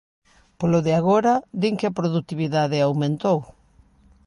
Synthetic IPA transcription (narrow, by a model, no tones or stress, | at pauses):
poloðɪaɣ̞oɾaðiŋkɪapɾoðut̪iβiðaðɪawmẽnt̪ow